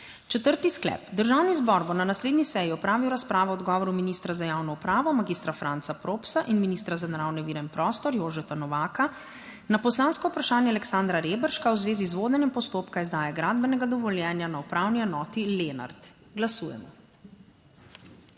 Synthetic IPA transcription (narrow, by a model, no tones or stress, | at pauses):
t͡ʃɛt̪əɾt̪isklɛ̰ːpd̪əɾʒaːwnizbɔɾbonanasleːd̪nisɛjiɔpɾaːʋiwɾaspɾaːʋɔɔd̪ɡɔːʋɔɾuminist̪ɾazajaːwnɔupɾaːʋɔmaɡist̪ɾafɾʔantsapɾoːpsaʔinminist̪ɾazanaɾaːwnɛʋiːɾɛinpɾɔːst̪ɔɾjoːʒɛt̪anɔʋaːka | napɔslaːnskɔupɾaʃaːnjɛalɛksaːnd̪ɾaɾeːbəɾʃkawzʋeːzizʋoːd̪ɛnjɛmpɔst̪oːpkaizd̪aːjɛɡɾaːd̪bɛnɛɡad̪ɔʋɔljɛːnjanaupɾawniɛnɔːt̪ileːna̰ɾt̪ | ɡlasuːjɛ̰mɔ